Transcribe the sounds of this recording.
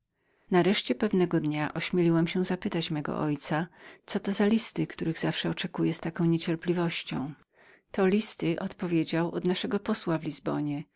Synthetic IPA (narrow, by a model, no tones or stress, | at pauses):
naɾɛʂt͡ɕɛpɛvnɛɡɔd̪ɲaʔɔɕmʲjelʲiwamɕɛzapɘt̪at͡ɕmɛɡɔ̰ʔɔjt̪sat̪sɔt̪ɔzalʲist̪ɘkt̪uɾɘɣzafʂɛɔt͡ʂɛkujɛst̪akɔ̃w̃ɲet͡ɕɛɾplʲivɔɕt͡ɕɔ̰̃w̃ | t̪ɔlʲist̪ɘʔɔt̪pɔvʲjed͡ʑawʔɔd̪naʂɛɡɔpɔswavlʲizbɔɲɛ